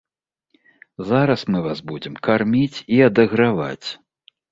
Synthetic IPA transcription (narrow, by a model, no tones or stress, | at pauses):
zaɾɐsmɨvasbud͡zʲɛmkarmʲit͡sʲiɐd̪ɐɣɾava̰t͡sʲ